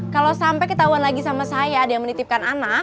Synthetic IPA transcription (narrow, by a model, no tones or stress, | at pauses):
kalowsampɛjkət̪aɦuanlaɡisamasajaːdajaŋmənit̪ɪp̚kanana